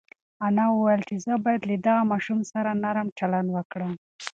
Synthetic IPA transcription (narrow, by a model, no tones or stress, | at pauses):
anɑwəwajəlt͡ʃezəbɑjad̪lad̪aɣamɑʃumsaɾanaɾəmt͡ʃaland̪wəkɽə